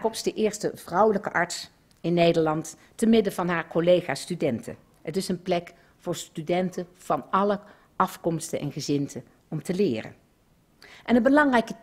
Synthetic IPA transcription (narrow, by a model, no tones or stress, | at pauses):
kɔpsdəʔɪːɹstəv̥rʌwələkəʔɑɹts | ɪnːejdəɹlɑnt | təmɪdəvɑnɦaːɹkolejχaːstydɛntʰə̰ | ɦətɪsənplɛk | v̥ʊːɹstydɛntə | v̥ɑnɑlə | ʔɑfkɔmstənʔɛ̰nχəzɪntʰə | ɔmtəlɪːrə̰n | ʔɛnəbəlɑŋrɛjkə